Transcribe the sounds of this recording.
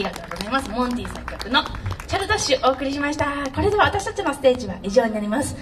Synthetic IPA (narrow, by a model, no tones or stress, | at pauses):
iɡat̪o̞ːɡo̞zaimasɨmõ̞nt̪ʲiːsekʲːakɯ̟no̞t͡ɕaɾɯ̟t̪oɕɨʔo̞ːkɯ̟ɾʲiɕimaɕi̥t̪ako̞ɾe̞d̪eaβat̪aɕi̥t̪at͡ɕinosɨ̥t̪e̞ːʑiβaʔiʑo̞ːɲinaɾʲimasɨ̥